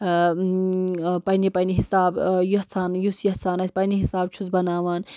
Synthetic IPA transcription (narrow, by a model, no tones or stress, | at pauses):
pɐjnipɐiniɦisaːbjuɦt͡sʰaːnjusjɐt͡saːnɐsʲpɐjniɦisaːb̚t͡ʃʰut͡sbɐnaːʋaːn